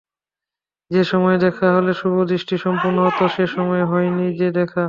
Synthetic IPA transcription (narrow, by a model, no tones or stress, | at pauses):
d͡ʑeʃɔmɔed̪ɛkʰaɦoleʃubʱod̪ɾiʃʈiʃɔmpuɾnoɦot̪oʃeʃɔmɔeɦɔenid͡ʑed̪ɛkʰa